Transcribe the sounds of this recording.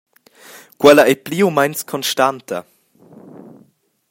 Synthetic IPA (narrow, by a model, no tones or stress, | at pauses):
kwɛlaʔɛjpliːumajnskʰɔnʃtant̪ʰɐ̰